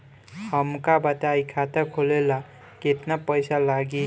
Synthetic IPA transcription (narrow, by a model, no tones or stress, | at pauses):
hʌmkabat̪aajkʰat̪akʰolela | ket̪napəjsalaɡi